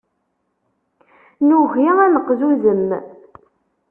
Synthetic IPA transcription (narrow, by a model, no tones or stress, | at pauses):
nuʁjiænəqːðuðəmː